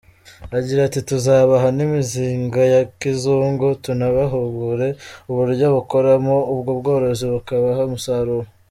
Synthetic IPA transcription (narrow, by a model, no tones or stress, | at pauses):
aɟiɾatituzaːβaɦanimiziːŋɡajakizuːŋɡotunaβaɦuɡuɾe̞uβuɾɟoβuko̞ɾamoubɡobɡo̞ːɾo̞ziβukaβaɦamusaɾuho